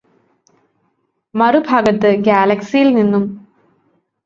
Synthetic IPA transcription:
mɐɾubʱɐɡɐt̪ːɨɡaːlɐksijilninːum

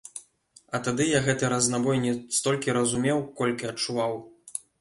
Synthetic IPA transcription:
ɐt̪ad̪ɨjaɣɛt̪ɨɾɐznabɔjnʲɛst̪ɔlʲkʲiɾɐzumʲɛwkɔlʲkʲiɐt͡ʂuvaw

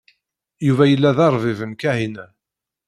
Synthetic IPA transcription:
juvæjəlːæðɑɾˤvivənkæɦinæ

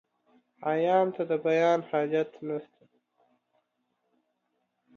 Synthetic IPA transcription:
ajɑːmt̪ad̪əbajɑːnhɑːd͡ʒat̪nast̪a

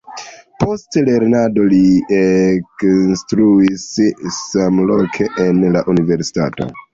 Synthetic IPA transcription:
po̞stle̞ɾnado̞lieknstɾuisː | amlokʰe̞ʔenlaʔunive̞ɾsi̥ta̰to̞̰

